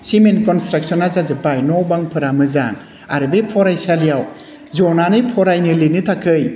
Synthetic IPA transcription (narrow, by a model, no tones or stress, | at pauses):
simenkɔnstɾak̚sɔnazazɯpajnɔwbaŋpʰɯɾamɯzaŋ | a̰ɾbepʰɔɾajsalijaw | zɔnanɯjpʰɔɾajnɯlinɯtʰakʰɯj